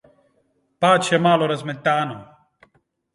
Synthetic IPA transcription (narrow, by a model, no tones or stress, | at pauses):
paːt̪ɕemaːloɾɐzmet̪ːaːno